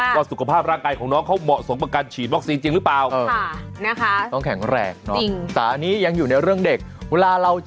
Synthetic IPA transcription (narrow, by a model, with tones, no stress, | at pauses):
waː˧˩su˨˩kʰa˧˩pʰaː˥˩p̚ɾaː˥˩ŋkaː˧jkʰɔː˩˦ŋnɔː˦˥ŋkʰa˦˥wmɔ˨˩ʔsu˨˩˦ŋpa˧ka˧nt͡ɕʰiː˨˩t̪̚wɔ˦˥k̚siː˧nt͡ɕi˧ŋɾɯ˦˥plaː˨˩wʔɤː˧a˥˩na˦˥kʰa˦˥tɔ˥˩ŋkʰɛ˨˩˦ŋɾɛ̰ː˨˩k̚nɔ˦˥i˧ŋsaː˩˦niː˦˥ja˧ŋjuː˨˩na˧jɾɯ˥˩əŋde˨˩k̚weː˧laː˧ɾa˧w